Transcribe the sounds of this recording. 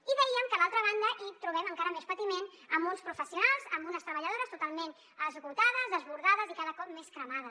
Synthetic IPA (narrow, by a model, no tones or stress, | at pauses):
iβəiəmkəlalˠt̪ɾəβ̞and̪əʔit̪ɾuβ̞ɛməŋkaɾəmespət̪imen | əmunspɾufəsiunalˠzəmbunəst̪ɾəβəʎəð̞oɾəst̪ut̪alˠmen | əzβuɾt̪aðəzðəzβuɾðaðəzikaðəkɔp̚meskɾəmaðə